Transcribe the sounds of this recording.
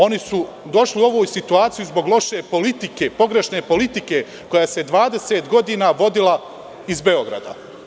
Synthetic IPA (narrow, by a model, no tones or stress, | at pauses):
o̞nisu | d̪o̞ʃliuo̞ʋoːjusit̪uaːt̪sijuzbo̞ɡlˠo̞ʃe̞po̞lit̪ike̞po̞ɡɾe̞ʃne̞po̞lit̪ike̞ | ko̞jaːse̞d̪ʋaːd̪e̞seːt̪ɡo̞d̪iːnaʋo̞d̪ila | izbe̞o̞ɡɾa̰d̪a̰